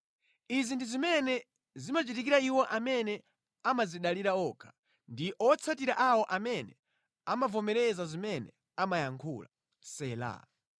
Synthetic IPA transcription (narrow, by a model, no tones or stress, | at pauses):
izindizimɛnɛ | zimat͡ʃitikiɾaiwɔʔamɛnɛ | amaziɗaliɾaɔkʰḁ | ndiʔɔt͡sʰatiɾaʔawɔʔamɛnɛ | amavɔmɛɾɛzazimɛnɛ̰ | amajaŋkʰṵla̰ | sɛːla̰